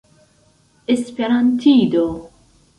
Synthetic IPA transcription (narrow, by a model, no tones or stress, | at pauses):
espeɾant̪ʰiːd̪o